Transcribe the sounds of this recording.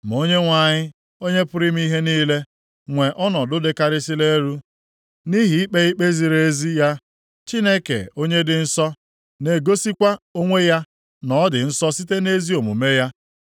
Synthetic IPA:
m̩˨o˦ɲe˦ŋʷa˨ɲɪ˦ | o˦ɲe˦pʊ˦ɾɪ˦m˦i˦ɦe˦niː˦le˦ | ŋʷe˨ʔɔ˦nɔ˨dʊ˦de˦ka˦ɾɪ˦si˦le˦ɾu˦ | ni˦ɦi˨i˦k͡pe˦i˦k͡pe˦zi˨ɾe˨˦zi˦ja˦ | t͡ʃi˦ne˦kḛ˨o˦ɲe˦dɪ˨n̩˦sɔ˦ | ne˨ɡo˦si˦kʷa˦o˦ŋʷe˦ja˦ | nɔ˨˦dɪ˨n̩˦sɔ˦si˦te˦ne˦zi˦o˨mṵ˨me˦ja˦

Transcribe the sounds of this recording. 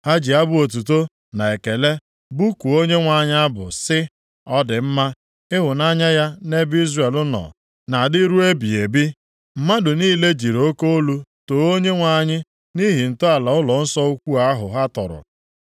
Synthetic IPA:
ha˦d͡ʒi˨a˦bʊ˦o˨t̬u˨to˦ | na˨e˨ke˨le˦ | bu˦ku˨o˦ɲe˦ŋʷa˨ɲɪ˦a˦bʊ̰˨sɪ˦ | ɔ˦dɪ˨m̩˦ma˦ | ɪ˦ɦʊ˨na˦ɲa˦ja˦ne˦bi˦zre˨e˨lʊ˦nɔ̰˨ | na˨dɪ˦ɾu˦e˦bi˨e˨bi˦ | m̩˨ma˦dʊ˨niː˦le˦d͡ʒi˨ɾo˦ko˦o˦lu˦to˨o˦ɲe˦ŋʷa˨ɲɪ˦ | ni˦ɦi˨n̩˨tʊ˦a˨la˨ʊ˦lɔ˨n̩˦sɔ˦u˦kʷu˦a˦ɦʊ̰˨ɦa˦tɔ̰˨ɾʊ̰˨

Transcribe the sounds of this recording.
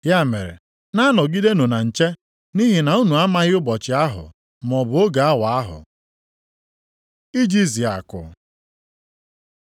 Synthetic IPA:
ja˦˨me˨ɾḛ˨ | na˦nɔ˨ɡi˦de˦nu˨na˨n̩˨t͡ʃe˦ | ni˦ɦi˨na˨u˦nu˨a˦ma˦ɣɪ˦ʊ˦bɔ˨t͡ʃɪ˨a˦ɦʊ̰˨ | m˨ɔ˨bʊ˨o˦ɡa˨a˦wʷa˨a˦ɦʊ̰˨ | i˦d͡ʒi˦zi˨a̰˨kʊ̰˨

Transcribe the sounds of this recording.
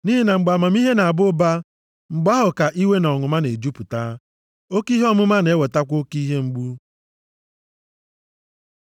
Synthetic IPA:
ni˦ɦi˦na˨ŋ͡m̩˨ɡ͡ba˨ma˨mi˦ɦe˦na˨a˨bʊ˦ba˦ | ŋ͡m̩˨ɡ͡ba˦ɦʊ˨ka˨ʔi˦we˦n˨ɔ˨ŋʊ˨ma˦ne˨d͡ʒu˦pu˨ta˦ | o˦ki˦ɦɔ˦mʊ˦ma˦ne˨˦we˨ta˦kʷo˦ki˦ɦe˦ŋ͡m̩˦ɡ͡bu˦

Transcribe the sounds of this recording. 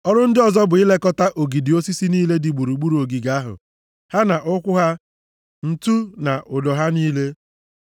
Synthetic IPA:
ɔ˦ɾʊ˦n̩˦dɪ˦ɔ˨zɔ˦bʊ˨ɪ˦le˦kɔ˦ta˦ʔo˨ɡi˨di˨o˦si˦si˦niː˦le˦dɪ˨ɡ͡bu˨ɾu˨ɡ͡bu˦ɾu˨o˨ɡi˨ɡa˨˦a˦ɦʊ̰˨ | ha˦na˨ʔʊ˦kʷʊ˦ɦa˦ | n̩˦tu˦na˨ʔʊ˨dɔ˨ɦa˦niː˦le˦

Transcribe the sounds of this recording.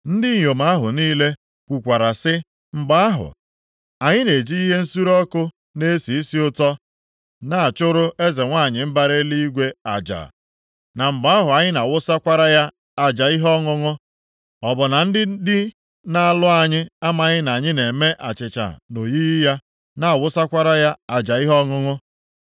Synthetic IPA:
n̩˦dɪ˦ɲ˨o˨ma˦ɦʊ̰˨niː˦le˦ | kʷu˨kʷa˨ɾa˨sɪ˦ | m̩˨ɡ͡ba˦a˦ɦʊ̰˨ | a˨ɲɪ˦ne˨d͡ʒi˦i˦ɦe˦n̩˦su˦ɾɔ˦kʊ˦ | ne˦si˨i˦si˦ʊ˦tɔ˦ | na˨a˨t͡ʃʊ˦ɾʊ˦e˦ze˨ŋʷa˦˨ɲɪ˨m̩˦ba˦ɾe˦li˦i˦ɡʷe˦a̰˨d͡ʒa̰˨ | na˨m̩˨ɡ͡ba˦ɦʊ˨a˨ɲɪ˦na˨wʊ˦sa˦kʷa˦ɾa˦ja˦ | a˨d͡ʒa˨i˦ɦɔ˦ŋʊ˦ŋʊ˦ | ɔ˨bʊ˨na˨n̩˦dɪ˦dɪ˦ | na˦a˨lʊ˦a˨ɲɪ˦a˦ma˨˦ɲɪ˦na˨ɲɪ˦ne˨me˦ʔa˨t͡ʃɪ˨t͡ʃa̰˨no˨ji˦jɪ˦ja˦ | na˨a˨wʊ˦sa˦kʷa˦ɾa˦ja˦a˨d͡ʒa˨i˦ɦɔ˦ŋʊ˦ŋʊ˦

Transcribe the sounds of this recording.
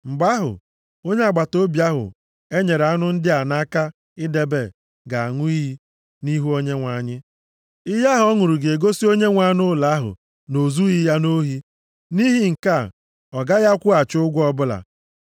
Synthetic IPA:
ŋ͡m̩˨ɡ͡ba˦ɦʊ̰˨ | o˦ɲe˦a˨ɡ͡ba˨to˦bja˦ɦʊ̰˨ | e˦ɲe˨ɾa˦nʊ˦n̩˦dɪ˦a˨na˦ka˦ | ɪ˦de˦be˨ | ɡa˨a˨ŋʊ˦i˦ɦi˦ | ni˦ɦu˦o˦ɲe˦ŋʷa˨ɲɪ˦ | ɪ˦ja˦ɦɔ˦ŋʊ˨ɾu˨ɡe˨ɡo˦si˦o˦ɲe˦ŋʷa˦nʊ˦la˨˦ɦʊ̰˨ | no˨zu˦i˦ja˦no˦ɦi˦ | ni˦ɦi˦ŋ̩˨ka˦˨ | ɔ˨ɡa˦ja˦kʷʊ˦a˨t͡ʃʊ˦ɡʷɔ˦bʊ˦la̰˨

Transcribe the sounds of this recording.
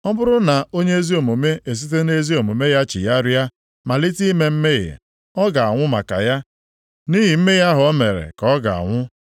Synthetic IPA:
ɔ˦bʊ˦ɾʊ˦na˨o˦ɲe˦e˦zi˦o˨mo˨me˦ʔe˨s̬i˦t̬e˦ne˦zi˦o˨mo˨me˦ja˦t͡ʃḭ˨ja˦ɾa˦ | ma˨li˦ti˦me˨m̩˦me˦ɣḛ˨ | ɔ˦ɡa˨a˨ŋʷʊ˦ma̰˨ka̰˨ja˦ | ni˦ɦi˨m̩˦me˦ja˦ɦʊ˨ɔ˦me˨ɾḛ˨kɔ˨˦ɡa̰˨a̰˨ŋʷʊ˦

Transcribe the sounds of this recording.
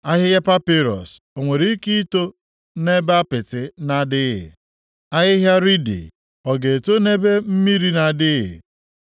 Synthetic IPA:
a˦ɦɪ˦ɣa˦pa˦pi˦ɾɔ̰˨so˨ŋʷe˨ɾi˦ki˦to˦ | ne˦ba˦pɪ˨tɪ˨na˦dɪ˦ɦɪ̰˨ | a˦ɦɪ˦ɦja˦ɾi˦dḭ˨ | ɔ˨ɡe˨to˦ne˦be˦m̩˦mi˦ɾi˦na˨dɪ˦ɦɪ̰˨

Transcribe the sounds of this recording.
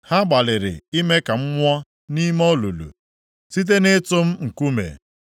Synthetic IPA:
ha˦ɡ͡ba˨lɪ˨ɾɪ̰˨i˦me˦ka˨m̩˦ŋʷɔ˦ | ni˦mɔ˦lu˨lṵ˨ | si˦t̬e˦nɪ˦tʊ˦m̩˦ŋ̩˨ku˦mḛ˨

